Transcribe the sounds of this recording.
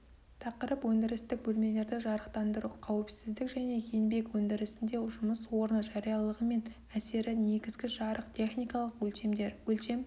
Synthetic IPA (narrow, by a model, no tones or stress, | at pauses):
t̪ʰɑqəɾəpwɵnd̪ɪɾɪst̪ɪk̚bɵlme̞le̞ɾd̪ɪʒɑɾəqt̪ɑnd̪əɾuqʰɑwɪpsɪzd̪ɪkʒæne̞jʰenbe̞kwɵnd̪ɪɾɪsɪnd̪e̞ʒʊməswo̞ɾnəʒɑɾijɑlˠəʁəme̞n | æse̞ɾɪne̞ɡʲɪzɡʲɪʒɑɾəqt̪ʲʰe̞χnijkɑlˠəqwɵlʃemd̪ewɵlʃe̞m